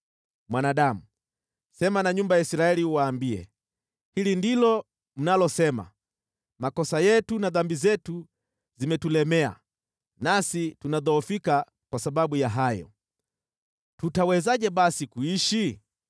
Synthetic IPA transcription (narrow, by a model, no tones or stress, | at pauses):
mwanaɗamu | sɛmanaɲumbajaisiɾaɛliuwaːmbiɛ̰ | hilindilɔ | m̩nalɔsɛma̰ | makɔsajɛtunaðambizɛtu | zimɛtulɛmɛa̰ | nasitunaðɔːfika | kwasaɓaɓujaɦajɔ̰ | tutawɛzaʄɛɓasikuiʃi